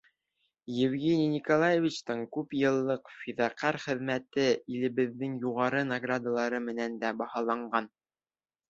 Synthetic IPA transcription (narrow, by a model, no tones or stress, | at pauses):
jɘ̆vɡʲenʲinʲikolˠajevʲit͡ɕt̪ɤɴkʉpjɤ̆lˠːɤqfiðɑqæɾχɘ̆ðmæt̪ɘilɘ̆βɘ̆ðːɘŋjuʁɑɾɤnɐɡrad̪alˠɑɾɤmɘ̆nænd̪æbɑhɑlˠɑɴɢɑn